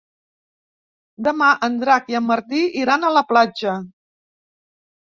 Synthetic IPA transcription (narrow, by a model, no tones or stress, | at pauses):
d̪əmaʔənd̪ɾakiəmːəɾt̪iiɾanələplad͡ʒə